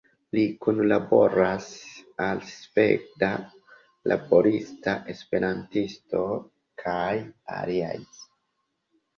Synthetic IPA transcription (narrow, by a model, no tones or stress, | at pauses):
likunlabo̞ɾasalspek̚ta | lʔa̰bo̞ɾistaʔe̞spe̞ɾantisto̞ | kʰaja̰lia̰js